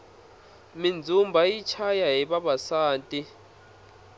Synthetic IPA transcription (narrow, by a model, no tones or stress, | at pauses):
mind͡zʱumbʱajit͡ʃʰajaɦiɓaɓasaːntʼi